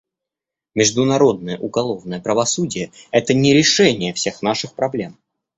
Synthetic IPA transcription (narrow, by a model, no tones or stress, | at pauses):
mʲɪʐd̪ʊnɐɾo̞d̪̚nəjəʔʊɡɐlˠo̞vnəjəpɾəvɐsudʲɪjəɛt̪ənʲɪɾʲɪʂɛnʲɪjəfsʲe̞xnaʂɨxpɾɐblʲe̞m